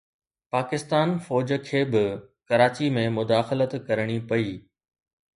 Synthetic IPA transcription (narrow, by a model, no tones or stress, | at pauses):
paːkɪst̪aːnfɔːd͡ʑkʰeːbɪkɐɾaːt͡ɕimẽmʊd̪aːxɪlət̪kɐɾɽ̃ipɐiː